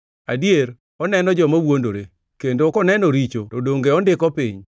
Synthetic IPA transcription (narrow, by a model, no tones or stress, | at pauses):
adjeɾ | ɔnɛnɔd͡ʒɔmawondoɾe | kendokɔnɛnɔɾit͡ʃotɔdoŋɡeɔndɪkɔpiɲ